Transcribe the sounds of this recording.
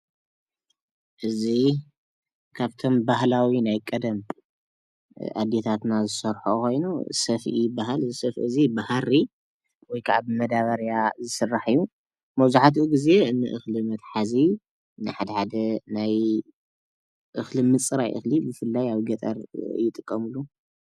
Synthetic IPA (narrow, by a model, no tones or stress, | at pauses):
ʔɨzi | kʰaβt̪ʰo̞mbahlawinajkʼɐd̪ɐm | ʔa̰d̪et̪ʰat̪nazɨsɐɾħoko̞jnusɐfʔibaɦalɨzisɐfʔɨzibahaɾi | wɔjkʰaʔaβmɐd̪aβɐɾjazɨsɨrːaħɨjːu | mɐwzuħat̪ʔuɡize̞ɨnːɨʔɨxlimɐt̪ħazi | nɨħad̪ɐħad̪ɐnaj | ʔɨxlimɨt͡sʼɨɾajʔɨ̰xlibɨfɨlːajaβɡɐt̪ʼɐ̰ɾ̰jːɪt̪ʼɨkʼːɐmɨlːu